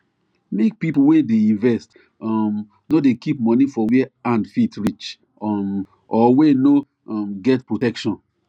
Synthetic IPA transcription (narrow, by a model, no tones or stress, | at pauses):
mek̚pipowedeĩnvɛst | ɔm | nodekip̚mɔnifɔwɛãndfitɹit͡ʃ | ɔm | ɔweno | ɔmɡɛtpɹotɛkʃɔ̃n